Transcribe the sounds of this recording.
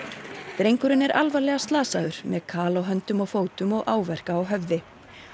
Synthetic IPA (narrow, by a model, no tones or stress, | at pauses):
t̪ɾejŋkʏɾʏnɛɾʔalvalɛːɣast̪laːsaðʏɾ̥mɛðkʰaːlawɦœnt̪ʏmɔɣfoːwt̪ʏmɔɣʔaːwvɛr̥kaːwɦœvðɪ